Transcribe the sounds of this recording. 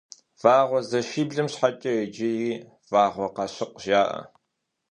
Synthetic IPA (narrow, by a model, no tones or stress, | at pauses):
v̥aːʁʷɔzɐʃiːbɮɨmɕħat͡ʃʼɐed͡ʒɪjiː | v̥aːʁʷɔqɑɕɪqʷʒaːʔɐ̰